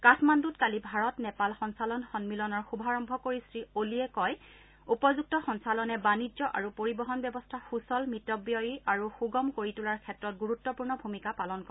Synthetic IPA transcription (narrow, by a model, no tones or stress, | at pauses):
katʰmandutkalibʱaɹɔtnɛpalxɔnsalɔnxɔnmilɔnɔɹxubʱaɹɔmbʱɔkoɹistɹioliɛkɔj | upɔzuk̚tɔxɔnsalɔnɛbaniɔʔa̰ɹupoɹibɔɦɔnbjɔbɔstʰaxusɔlmitːɔbjɔjiaɹuxuɡɔmkoɹitulaɹkʰɛtɹɔt̚ɡuɹutːɔpuɹnɔbʱumikapalɔnkɔ